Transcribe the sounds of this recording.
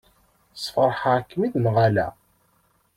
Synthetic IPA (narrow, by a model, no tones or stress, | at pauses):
sˤfəɾˤħakːmiðnʁalæ̰